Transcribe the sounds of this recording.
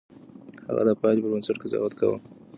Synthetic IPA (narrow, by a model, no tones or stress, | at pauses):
ha̰ɣa̰d̪apɑlipəbənsaʈkɪzɑ̰wat̪ka̰wə̰m